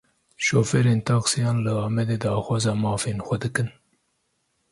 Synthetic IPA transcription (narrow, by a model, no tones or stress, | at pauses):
ʃoːfeɾeːnt̪ɑqsijɑːnləɑːmed̪ed̪ɑːxʷwɑːzɑmɑːfinxʷɐd̪ɨkɨn